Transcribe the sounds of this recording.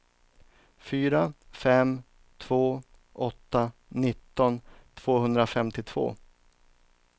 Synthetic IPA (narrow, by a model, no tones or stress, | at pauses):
fyːɾafɛm | t̪ʰv̥oː | ʔɔt̪ːanɪt̪ːɔnt̪ʰv̥oːɦɵnd̪ɾafɛmt̪ɪt̪ʰv̥o̰ː